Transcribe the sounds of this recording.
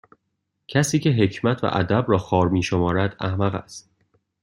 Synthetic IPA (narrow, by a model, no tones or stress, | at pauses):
cʰæsiːcʰe̞ɦecʰmæt̪ʰvæ̰ʔæ̰d̪æbɾɒːxɒːɾmiːʃomɒːɾæd̪æ̰hmæɣæ̰st̪̚